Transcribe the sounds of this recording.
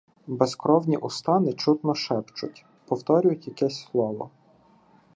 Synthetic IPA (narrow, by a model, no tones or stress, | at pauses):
beskɾɔwnʲiʔʊst̪ɑnɪt͡ʃut̪nɔʃɛpt͡ʃʊ̰tʲ | pɔwt̪ɔɾʲʊjʊtʲjɐkɛsʲslˠɔʋɔ̰